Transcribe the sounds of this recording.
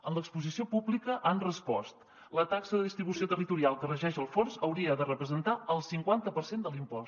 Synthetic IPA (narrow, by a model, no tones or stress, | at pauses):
ənləkspuzisiopublikəʔanrəspɔst̪ | lət̪aksəðəðist̪ɾiβusiot̪ərit̪uɾialˠkərəʒɛʃəlˠfonzəwɾiəðərəpɾəzənt̪aəlˠsiŋkwant̪əpəɾsend̪əlimpɔs